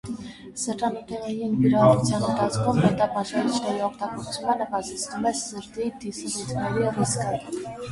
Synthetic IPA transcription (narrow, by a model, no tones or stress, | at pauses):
səɾtɑnit̪ɛʁɛjinviɾɑɔut͡sʰjɑnənt̪ʰɑt͡sʰkʰumhɛt̪ɑpɑʃkɑnit͡ʃʰnɛɾiɔqʰt̪ɑɡɔɾt͡sʰumɑnəvɑzɛt͡sʰnumɛszəɾd̪id̪isɛlut̪ʰnɛɾiriskə